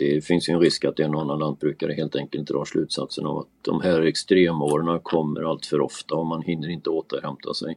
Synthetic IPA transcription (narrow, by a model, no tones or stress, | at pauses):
d̪̥ɛfɪnsjɵɛnɾɪskat̪̚d̪ɛnɔnːanand̪̚bɾʉ̟ːkad̪əɦeːlt̪ɛŋkəlt̪̚d̪ɾʔɑːʂlʉ̟ːt̪sa̰t̪sənɔ̰va̰t̪̚d̪ɔ̰mhæːɾɛkst̪ɾeːmoːɾəɳakʰɔmːə̰ɾalt̪fœɾɔ̰ft̪aɔmːanhɪnːəɾɪnt̪əoːt̪əɾhɛmt̪ʰa̰sɛ̰j